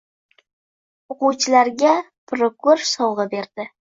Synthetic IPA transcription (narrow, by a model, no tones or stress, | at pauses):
ʊqʊwt͡ʃʰɪlaɾɡʲa | pʰɾokʊɾsɒwʁɨbe̞ɾd̪̥ɪ